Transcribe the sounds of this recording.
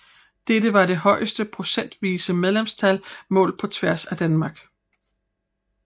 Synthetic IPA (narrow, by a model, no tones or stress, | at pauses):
d̥eɾəʋɑ̈ɾe̝hɒ̽ɪsd̥əpʰʁo̝sen̰d̥ʋiːsəmeð̞ˠlemst͡sʰælmɔ̰̽ːlpʰɒ̽t͡sʰʋæɐsæd̥ænmɑ̈ːɡ̥